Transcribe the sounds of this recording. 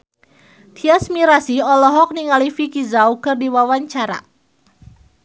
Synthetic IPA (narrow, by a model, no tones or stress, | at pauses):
t̪ʰiasmiɾasiɔlɔɦɔk̚niŋalifikizaukɨrdiwawaɲt͡ʃaɾa̰